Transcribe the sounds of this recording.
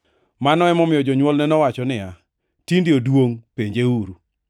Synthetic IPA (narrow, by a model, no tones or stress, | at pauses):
manɔɛmɔmɪjɔd͡ʒɔɲwɔlnɛnɔwat͡ʃɔnɪa | tindɪodwoŋpeɲd͡ʒeuɾu